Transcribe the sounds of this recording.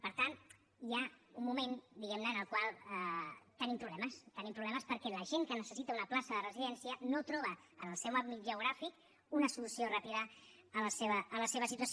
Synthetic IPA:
pəɾt̪an | jaummumend̪iɣɛmnəːnəlˠkwalˠət̪ənimpɾuβlɛməst̪ənimpɾuβlɛməspəɾkɛləʒeŋkənəsəsit̪əunəplasəðərəziðɛnsiənot̪ɾɔβ̞ə | ənəlˠsɛwammit̪ʒəwɣ̞ɾafik | unəsulusiorapiðə | ələseβəːləseβəsit̪uəs

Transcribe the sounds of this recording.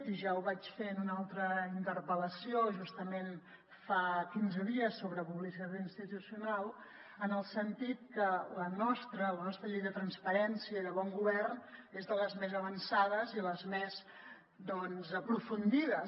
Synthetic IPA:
iʒauβat͡ʃfenunalˠt̪ɾəint̪ərpələsioʒust̪əmen | fakinzəðiəsːoβɾəpuβlisit̪at̪inst̪it̪usiunalˠ | ənəlˠsənt̪it̪̚kələnɔst̪ɾələnɔst̪ɾəʎejðət̪ɾənspəɾɛnsiəiðəβɔŋɡuβɛrnezðələzmezəβənsaðəziləzmez | d̪ɔnzəpɾufund̪iðə

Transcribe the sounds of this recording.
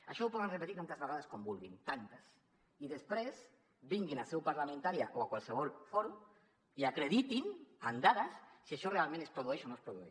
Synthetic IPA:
aʃowpoðenrepet̪iɾk̪ant̪azβaɣaðaskombulɣint̪ant̪ḁs | iðespɾez | biŋɡinasewpaɾlament̪aɾjaʔoakwalseβɔlfoɾu | iakɾeðit̪inand̪aðasːiaʃorealmẽnespɾoðueʃonõespɾoðuḛ

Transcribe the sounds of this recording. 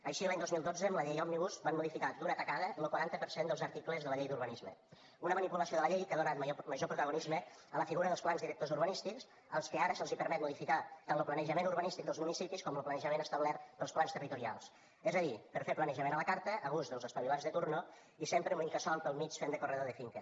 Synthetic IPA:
əʃiəlaɲd̪ozmilˠd̪od͡zəəmləʎejalmniβusbanmuðifikat̪̚d̪unət̪əkaðələkwaɾant̪əpəɾsend̪əlˠzəɾt̪ikləzðələʎejd̪uɾβənizmə̰ | unəmənipuləsioðələʎejkəðunat̪məʒopɾut̪əɣunizmə | ələfiɣuɾəðəlˠsplanzðiɾək̚t̪ozuɾβənist̪iks | əlˠskəaɾəsəlˠzipəɾmɛt̪muðifikat̪anləplənəʒəmenuɾβənist̪ik̚d̪əlˠzmunisipiskɔmləplənəʒəmenəst̪əβlɛrt̪d̪əlˠsplanst̪ərit̪uɾia̰lˠs | ɛzəðipəɾfeɾplənəʒəmenələkaɾt̪əʔəɣuzðəlˠzəspəβilanzðət̪uɾno | isempɾəunəmikəsɔlˠpəlˠmit͡ʃfend̪əkurɛðəðəfiŋkə

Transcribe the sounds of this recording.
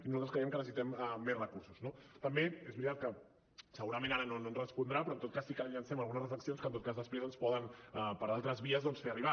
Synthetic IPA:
inuzalt̪əskɾeiɛmkənəsit̪ɛməːezrəkuɾsuznot̪əmbeezβɾit̪at̪̚kə | səɣuɾəmẽnaɾənononrəspund̪ɾapɾɔənt̪ot̪̚kasːikəʎʎansɛməlˠɣunəsrəfləksionskənt̪ot̪kazðəspɾezənspɔðənəpəɾalˠt̪ɾəzβiəzðɔnsfeəriβ̞a

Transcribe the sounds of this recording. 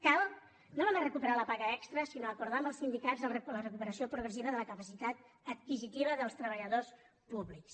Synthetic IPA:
kalˠ | nonamarəkupəɾaləpaɣəɛkst̪ɾəsinoəkuɾðaməlˠsind̪ikazələrəkupəɾəsiopɾuɣɾəsiβəðələkəpəsit̪at̪̚ | ət̪̚kizit̪iβ̞əðəlˠst̪ɾəβəʎəðos | puβliks

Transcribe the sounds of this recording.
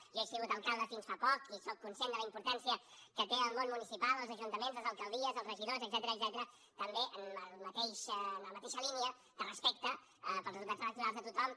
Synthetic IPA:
ʒesiɣut̪əlˠkalˠd̪əfinsfapɔkisokkːunsjend̪ələimpuɾt̪ansiəkət̪eəlˠmonmunisipalˠəlˠzəʒunt̪əmenzəlzəlˠkəlˠd̪iəzəlˠzrəʒiðozəɡ̚zɛt̪əɾəːɡzɛt̪əɾə | t̪əmbeʔənəlˠmət̪eʃnləmət̪eʃəliniə | d̪ərəspek̚t̪ə | əpəlˠzəzut̪atzələk̚t̪uɾalˠzðət̪ut̪ɔm

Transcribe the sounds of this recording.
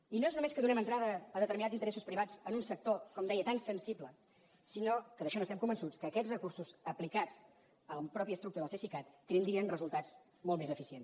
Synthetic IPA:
inoeznumeskəðunɛmənt̪ɾaðəːðət̪əɾminadd͡zint̪əɾɛsuspɾiβad͡zənunsək̚t̪okɔmd̪ɛjət̪ansənsiblə | sinokəðəʃɔnost̪ɛmkumbənsut͡skəːkɛzrəkursuzəplikat͡s | ələpɾɔpiəst̪ɾuk̚t̪uɾðəsesikat̪ːenind̪ɾiənrəzulˠt̪ad͡z | molˠmezəfisien

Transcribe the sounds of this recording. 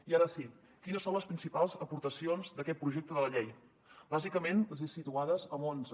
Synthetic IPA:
iaɾəsi | kinəsonləspɾinsipalˠzəpuɾt̪əsionzd̪əkɛt̪̚pɾuʒɛk̚t̪əðələʎej | bazikəmenləzesit̪uaðəzəmonz

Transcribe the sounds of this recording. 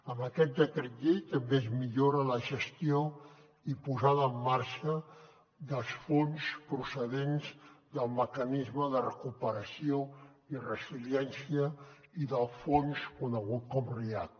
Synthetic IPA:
əməkɛt̪̚d̪əkɾet̪ʎet̪əmbezmiʎoɾələʒəst̪io | ipuzaðəːmːaɾʃə | d̪əlˠsfonspɾusəðenzd̪əlˠməkənizməðərəkupəɾəsio | irəsiljɛnsiə | iðəlˠfonskunəɣ̞ut̪̚kɔmreat̪

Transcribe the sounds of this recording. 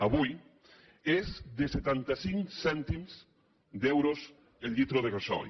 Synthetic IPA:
aβuj | ezðeset̪ant̪asiŋsɛnt̪imz | d̪ewɾoz | elʲʎit̪ɾoð̞eɣasɔ̰

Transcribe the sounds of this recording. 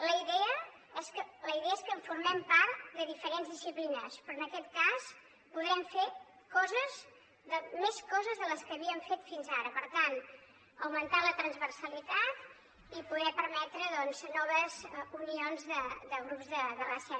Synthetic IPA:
ləiðɛə | ɛskələiðɛəeskəɱfuɾmɛmpaɾt̪d̪əðifəɾenzðisiplinəspɾɔənəkɛt̪kas | puðɾɛmfe | kɔzəz | ðəmeskɔzəzðələskəːβiəɱfet̪finzaɾəpəɾt̪an | əwmənt̪alət̪ɾənzβərsəlit̪at̪ | ipuðɛpəɾmɛt̪ɾəðɔnznɔβəzunionzðəd̪əɣɾupzðəðərasɛ

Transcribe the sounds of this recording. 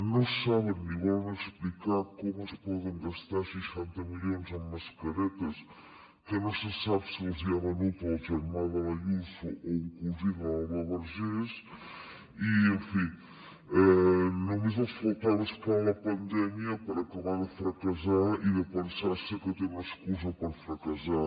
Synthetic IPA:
nõsaβenːiɣald̪eksplikaɾkomuspɔðeŋɡaʃt̪aɾsejʃɛnt̪ɐmiʎoŋzamɐskɐɾɛt̪ɐs | kənõsesaβsiozðiɐβɐnut̪feɾmaðɐlɐʎusuʔoiŋkluziðɐβɐβɐɾʒes | iəɱfi | ɛnumezmofolˠt̪aðəskalɐpɐnd̪ɛmjɐpəɾɐkɐβaɾðəfɾɐkɐzaiðəpənsaɾsəkət̪eləskuzɐpəɾfɾɐkɐza

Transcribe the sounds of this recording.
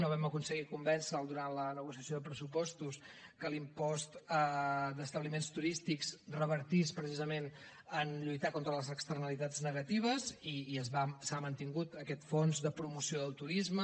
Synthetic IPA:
noβɛməkunsəɣikumbɛnsəːlˠd̪uɾalənəɣusiəsioðəpɾəsupɔst̪uskəlimpɔst̪əd̪əst̪əβlimenst̪uɾist̪ikzrəβəɾt̪ispɾəsizəmen | ənʎujt̪akont̪ɾələzəkst̪ərnəlit̪ad͡znəɣət̪iβ̞əziːəzβasamənt̪iŋɡut̪əkɛt̪fonzðəpɾumusioðəlˠt̪uɾizmə

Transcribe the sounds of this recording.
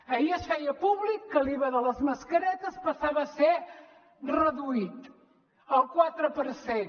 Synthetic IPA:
əiəʃɛjəpuβlikːəliβəðələzməskəɾɛt̪əspəsaβəse | rəðuit̪ | əlˠkwat̪ɾəpəɾsen

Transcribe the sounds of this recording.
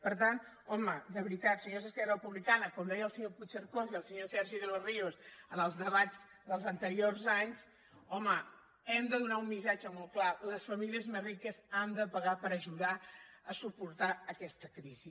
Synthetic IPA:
pəɾt̪ant̪ | ɔməd̪əβɾit̪at̪səʒozəskɛərəpuβlikanəkɔmd̪ɛjəlˠsəɲoput͡ʃəɾkoziəlˠsəɲosɛɾʒiðəloriosənəlˠzðəβaz | d̪əlˠzənt̪əɾiorzaɲs | ɔmə | ɛmd̪əðunaumːisad͡ʒəmɔl̚ˠklaləsfəmiliəzmezrikəzand̪əpəɣapəɾəʒuðaəsupuɾt̪aəkɛst̪əkɾizi

